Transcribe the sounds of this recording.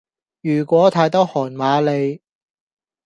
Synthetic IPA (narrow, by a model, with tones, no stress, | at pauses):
jyː˨˩kʷɔː˨˥t̪ʰaː˨˥jt̪ɐ˥whɔː˨˩nmaː˨˧le˨˧j